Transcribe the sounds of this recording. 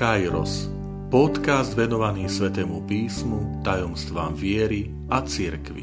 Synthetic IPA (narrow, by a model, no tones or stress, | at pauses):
ajɾɔ̰s | pɔt̪kazd̪ʋɛnɔʋaniːsʋɛt̪ɛːmupiːsmut̪ajɔmst̪ʋaːmvɪɛɾi | at͡siɾkʋḭ